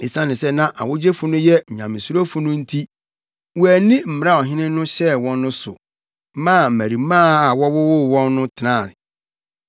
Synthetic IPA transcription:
i˨sã˦nɪ̃˨sɛ˦nã˦ʔa̰˨wʊ˦d͡ʑe˦fʊ˦nʊ̃˦jɛ˦˨ɲã˨mɪ̃˨su˦ɾo˦fʊ˨nʊ̃˦n̩˦tʰi˦ | wu˦æ˨nĩ˦m̩˨m˨˦a˦˨ɔ˨ɦɪ̃˦nɪ̃˦nʊ̃˦ɕɛ˦˨wɔ̃˦nːʊ̃˦sʊ̰˨˦ | mã˦˨mæ˨ɾi˨mã˦a˨wɔ˦wɔ˦wo˦˨wɔ̃˦nːʊ̃˦tʰɪ˨nã˦˨n˨

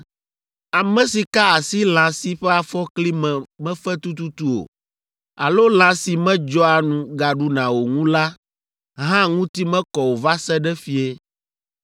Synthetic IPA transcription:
a˨mɛ̃˨si˨ka˦a˨si˦lã˨si˦ɸɛ˦a˨fɔ˦kli˦mɛ̃˨mɛ̃˦fɛ˦t̪u˦t̪u˦t̪u˦o̰˨ | a̰˨lo˦l̃ã˨si˨mɛ̃˦d͡ʒɔ˦a˨nũ˨ɡa˨ɖu˦nã˨wo˨ŋũ˦la˦ | ɦã˦ŋũ˦t̪i˦mɛ̃˦kɔ˨wo˨va˦sɛ˦ɖɛ˦fi˦e˦

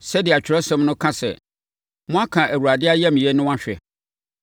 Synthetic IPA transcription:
sɛ˦dɪ˨a˨t͡ɕᶣʰɪ˨ɾɛ˦sɛ̃˦mnʊ̃˦kʰã˦sɛ̰˨ | mʊ̃˦a˦kʰã˨ʔæ˨wu˨ɾa˨dɪ˦a˦jɛ˦m̃˨ɛ˦nʊ̃˦wã˦ɕᶣɛ̰˨

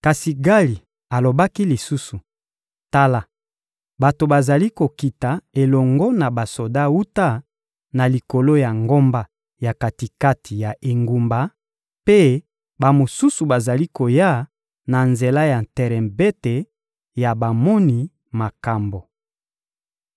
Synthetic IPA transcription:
ka˨si˨ɡa˦li˨ | a˨lo˨ba˦ki˦li˨su˦su˨ | ta˦la˨ | ba˨to˨ba˨za˨li˦ko˨ki˨ta˨e˨lɔ˨ŋɡɔ˦na˨ba˨so˨da˦wu˦ta˦ | na˨li˨ko˨lo˦ja˨ŋɡo˦mba˦ | ja˨ka˨ti˨ka˦tʰi˨ja˨ʔe˨ŋɡu˨mba˨ | pe˦ | ba˨mo˨su˦su˨ba˨za˨li˦ko˨ja˦ | na˨nze˨la˦ja˨ntɛ˨ʁɛ̃˨mbe˦te˨ | ja˨ba˨mɔ˦ni˨˦ | ma˨ka˨mbo˨

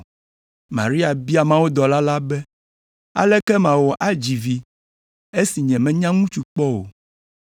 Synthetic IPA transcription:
mã̰˨ɾi˦a˨bi˦a˨mã˦wo˦d̪ɔ˨la˦la˦bɛ˦ | a̰˨lɛ˦kɛ˦mã˨wɔ˨ʔa˦d͡ʑi˨vi˨ | e˦si˨ɲɛ̃˨mɛ̃˨ɲã˦ŋũ˦t͡ʃu˨k͡pɔ˦wo̰˨

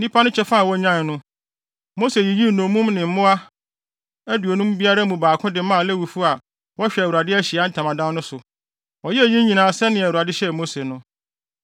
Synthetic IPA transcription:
nĩ˦pʰa˦nʊ̃˦t͡ɕʰɛ˦fa˦a˨wɔ˦ɲã˦˨n˨nʊ̃˦ | mo˦se˨ji˨ji˦˨nõ˨mũ˦mnɪ̃˨m̩˦mʊ̃˦a˦ | æ˦du˨o˨nũ˦m˦bi˦a˦ɾa˦mũ˨baː˨kʰʊ̃˦dɪ˨˦mã˦˨lɛ˦wu˨fu˦a˨ | wɔ˦ɕᶣɛ˨æ˨wu˨ɾa˨dɪ˦æ˦ɕi˨a˦n̩˦tʰã˨mã˨dã˦nnʊ̃˦sʊ˨ | wɔ˨jɛ˦æ˨jĩ˦ɲĩ˨nãː˨sɛ˦nɪ̃˨æ˨u˨a˨dɪ˦ɕɛ˦˨mo˦se˨nʊ̃˦

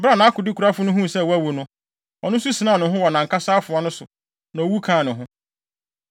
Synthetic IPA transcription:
bɾa˦˨nã˨˦kʰʊ˨dɪ˦kʰu˨ɾa˦fʊ˦nʊ̃˦ɦũ˦˨sɛ˦˨wæ˦wu˨nʊ̃˦ | ɔ˨nʊ̃˦su˦si˨nã˦˨nʊ̃˨ɦʊ̃˦wɔ˨nã˨ŋ̩˨kʰa˦saː˦fʊ˨a˦nʊ̃˦sʊ˨ | nã˨o˨wu˦kʰã˨˦˨nʊ̃˨ɦʊ̃˦

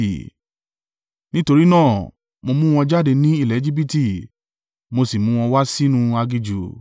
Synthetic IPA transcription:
nĩ˦to˧ɾi˦nãː˦˨ | mo˧mũ˦w̃ɔ̃˧d͡ʒa˦˨de˧nĩ˦i˦˨lɛ˨˦d͡ʒi˦bi˦˧ti˨ | mo˧si˨mũ˦w̃ɔ̃˧wa˦si˦nũ˧a˧ɡi˧d͡ʒu˨

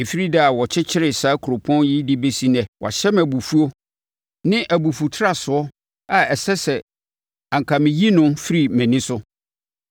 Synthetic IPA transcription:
e˨fi˦ɾi˦dɛ˦a˨wɔ˨t͡ɕʰɪ˦t͡ɕʰɪ˦ɾɪ˨saː˦kʰu˨ɾo˨pʰɔ̃˦njɪ˦di˦be˦si˦nɛ̃˨wʔɔ̰˨ɕɛ˦mæ˨bu˨fu˦o˦ | nɪ̃˦ʔæ˨bu˨fu˨tʰɾa˨sʊ˨ɔ˦ | a˨ɛ˨sɛ˦sɛ˨ | ã˨ŋ˨kʰa˨mɪ̃˨ji˦nʊ̃˦nfi˦ɾi˨mæ̃˨nɪ̃˦sʊ˦

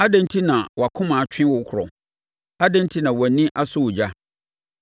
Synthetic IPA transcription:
a˦dɛ̃˦n˦tʰi˦nã˨wɔ˨a˨kʰʊ̃˦mãː˨t͡ɕᶣʰɪ̃˦wʊ˨˦kʰʊ˨ɾɔ̰˨ | a˦dɛ̃˦n˦tʰi˦nã˨wɔ˨˦nĩ˦ʔa˦sʊ˦wʊ˨d͡ʑa˦

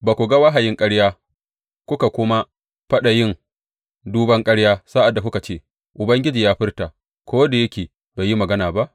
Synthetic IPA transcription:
baː˨kʷu˨ɡa˦wa˦ɦa˨jɪ˦ŋkʼɐ˦ɽjaː˦ | kʷʊ˦ka˨kʷʊ˦ma˦ | ɸɐ˦ɗa˨jɪ˦ŋ | duː˦bɐ˦ŋkʼɐ˦ɽjaː˦sa˦ʔa˨dːa˨kʷʊ˦ka˨t͡ʃeː˦˨ | ʔʊ˨bɐ˦ŋɡʲɪ˦d͡ʒiː˨jaː˦ɸɪ˦rta˨ | kʷʰoː˦da˨jɐ˦kʲeː˨ | baː˨ji˦mɐ˨ɡɐ˦naː˨ba˦ʔ

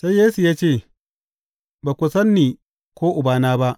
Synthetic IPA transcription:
sa˦jeː˦su˨jaː˦t͡ʃeː˦˨ | baː˨kʷʊ˨sɐ˦nːiː˨ | kʷoː˦ʔʊ˨baː˨naː˦ba˦ʔ

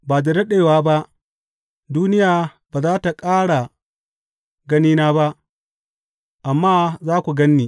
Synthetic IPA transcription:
baː˨da˨dɐ˦ɗeː˨waː˦ba˦ʔ | duː˦nɪ˦jaː˨baː˨zaː˦ta˨kʼaː˦ɽa˨ | ɡɐ˦niː˦naː˦ba˦ʔ | ʔa˨mːaː˦zaː˦kʷu˨ɡɐ˦nːiː˨

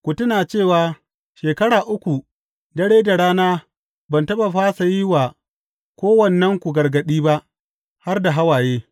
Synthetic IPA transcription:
kʷu˨tʊ˦naː˨t͡ʃeː˦˨waː˨ | ʃeː˨kɐ˦ɽaː˨ʔʊ˦kʷu˨ | dɐ˦ɽeː˦da˨ɽaː˦naː˦ | bɐ˨ntɐ˦ɓa˨ɸaː˦sa˨ji˦waː˨ | kʷoː˦wɐ˨nːɐ˦ŋkʷu˨ɡɐ˨rɡɐ˨ɗiː˦ba˦ʔ | ha˦rda˨ɦa˦waː˨jeː˦

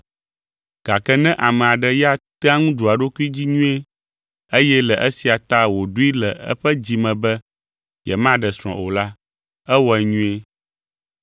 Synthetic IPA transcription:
ɡ̥a˨kɛ˦nɛ̃˦ʔa˨mɛ̃˨a˨ɖɛ˦ja˦t̪ɛ˦a˦ŋũ˦ɖu˨a˨ɖo˦ki˦d͡ʑi˦ɲũ˦e˦ | ə˦jɛ˦lɛ˨ʔə˦si˨a˨t̪a˦wo˨ɖu˦i˦lɛ˨ə̰˦ɸɛ˦d͡ʑi˨mɛ̃˨bɛ˦ | jɛ̰˨mã˦ɖɛ˨sɾ̃ɔ̰̃˨ʔo̰˨la˦ | ɛ˦wɔ˦ɛ˨ɲũ˦e˦

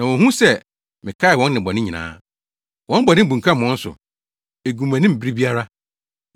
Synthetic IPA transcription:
nã˨wɔ̃˨hũ˦sɛ˦˨ | mɪ̃˨kʰa˦ɪ˨wɔ̃˦nːɪ̃˨bɔ˨nɪ̃˦ɲĩ˨nã̰ː˦ | wɔ̃˦n˦bɔ˨nɪ̃˦bũ˨ŋ˨kʰã˦mɔ̃˦n̩˦sʊ̰˨ | e˨ɡũ˨mæ̃˨nɪ̃˦m̩˨bi˦ɾi˦bi˦a˦ɾa˦

